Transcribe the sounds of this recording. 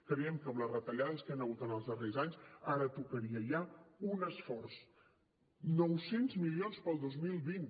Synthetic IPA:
kɾəɛmkəmlərət̪əʎaðəskanəɣ̞ut̪ənəlˠzðərezaɲsaɾət̪ukəɾiəjaunəsfɔrs | nɔwsenzmilionspəlˠd̪ozmilˠβin

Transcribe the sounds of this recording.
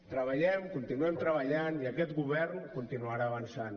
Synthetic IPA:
t̪ɾəβaʎɛmkunt̪inuɛmt̪ɾəβaʎaniakɛt̪ɡuβɛrnkunt̪inuaɾaːβansan

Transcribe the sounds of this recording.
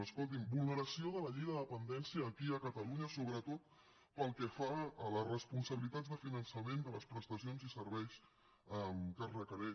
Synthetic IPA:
əskolˠt̪̬imbulˠnəɾəsioðələʎijðəðəpənd̪ɛnsiəːkiəkət̪əluɲəsoβɾət̪ot̪̚ | pəlˠkɛfaələrəspunsəβilit̪add͡zd̪əfinənsəmend̪ələspɾəst̪əsionzisəɾβɛjs | əmkərəkəɾɛ

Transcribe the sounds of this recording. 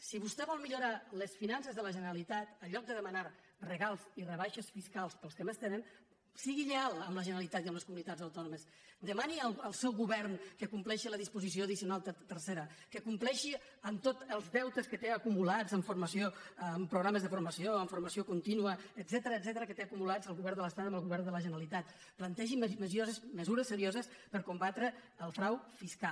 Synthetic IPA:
siβust̪ɛβɔlˠmiʎuɾaləsfinansezðələʒənəɾəlit̪at̪əʎɔk̚d̪əðəmənaɾ | rəɣalˠzirəβ̞aʃesfiskalˠspəlˠskəmest̪enən | siɣiʎealˠəmləʒənɾəlit̪at̪iəmləskumunit̪ad͡zzəwt̪ɔnuməs | d̪əmaniəlˠəlˠsɛwɣuβɛɾnkəkumplɛʃiləðispuzis̬ioəðisiunalˠt̪t̪ərseɾəkəkumplɛʃi | əmt̪ot̪əlˠzdɛwt̪əskət̪eəkumulad͡zəmfuɾməsioːmpɾuɣɾaməzðəfuɾməsioəɱfuɾməsiokunt̪inuəːdzɛt̪əɾəːd̪zɛt̪əɾəkət̪eəkumulad͡zəlˠɣuβɛɾnd̪ələst̪at̪əməlˠɣuβɛrnd̪ələʒənəlit̪at̪̚ | plənt̪ɛʒimməzozəsməzuɾəsːəɾiozəspəɾkumbat̪ɾə | əlˠfɾawfiskal

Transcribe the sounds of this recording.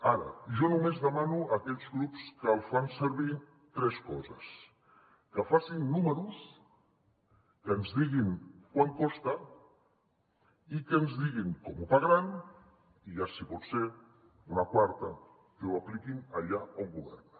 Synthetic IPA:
aɾə̰ʒɔnumezðəmanuakɛʎzɣɾupskəlˠfansəɾβi | t̪ɾɛskɔzəs | kəfasinːuməɾus | kəːnzðiɣinkwaŋkɔst̪a | ikəːnzðiɣiŋkɔmupaɣɾan | iʒasipɔt̪se | unakwaɾt̪ə | kəwaplikinaʎaoŋɡuβɛ̰rn

